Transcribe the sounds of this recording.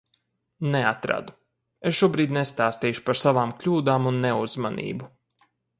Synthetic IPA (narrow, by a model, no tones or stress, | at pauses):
neat̪ɾa̰d̪u̥ | esʃuɔbɾiːd̪nest̪aːst̪iːjʃu̥paɾsavaːmklʲuːd̪aːmunːeuzmanḭːbu